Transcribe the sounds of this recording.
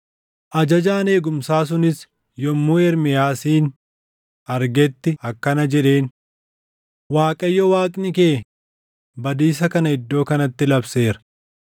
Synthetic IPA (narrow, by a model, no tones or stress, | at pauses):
ʔɐd͡ʒɐd͡ʒaːne̞ːɡʊmsaːs̬ʊnɪs | jɔmːuːɛɾmɪjaːsiːn | ɐɾɡɛt̪ːɪɐkːɐnɐd͡ʒɛᶑe̞ːn | waːkʼɐjːɔwaːkʼnɪkeː | bɐd̪iːs̬ɐkɐnɐɪd̪ːo̞ːkɐnɐt̪ːɪlɐbse̞ːɾɐ̥